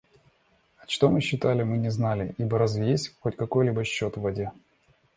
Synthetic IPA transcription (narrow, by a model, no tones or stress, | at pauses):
ɐt͡ɕt̪o̞mɨɕːɪt̪alʲɪmɨnʲɪznalʲɪʔibəɾɐzvʲɪjesʲxotʲkɐko̞jlʲibəɕːo̞t̪vːɐdʲe̞